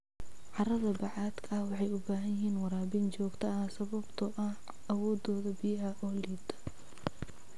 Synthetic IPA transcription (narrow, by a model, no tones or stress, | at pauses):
ʕɑrɐðɐbɑʕɑːd̪kʰɐɐwɑħɑjʊbaːɦɐjɪɦiːnwɑɾaːbint͡ʃɔːɡt̪ʰɐɐsɐβɐbt̪ʰɐʔɐh | ɐwɔːd̪ɔːðɐbɪjɐɦɐʔɔːliːd̪ʰɐ̥